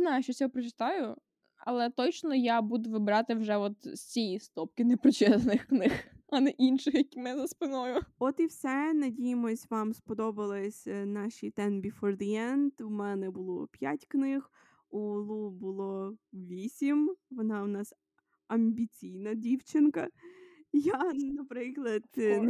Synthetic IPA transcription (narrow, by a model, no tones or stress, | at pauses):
znajʃt͡ʃɔsʲɔɔpɾɔt͡ʃɪ̥t̪ɑjʊ | ɐ̰lˠɛt̪ɔt͡ʃnɔjabud̪ʊʋɪbɾɑt̪ɪwʒɛɔt̪sʲijist̪ɔp̚kɪnepɾɪt͡ʃɛsnɪxknɪxɐnɛʔinʃɪxjɐkʲimɛzɐspɪnɔjʊɔt̪iwsɛnɐdʲijɪmɔsʲʋɑmspɔd̪ɔbɐlˠɪsʲnɑʃʲit̪ɛnbʲifɔrd̪ɪjɛnt̪wmɛnɛbʊlˠɔpʲjatʲknɪx | ulˠubʊlˠɔʋʲisʲimʋɔnɑwnɑs | ɐmʲbʲit͡sʲijnɐdʲiwt͡ʃɪnkɐ | janɐpɾɪklˠɐd̪̥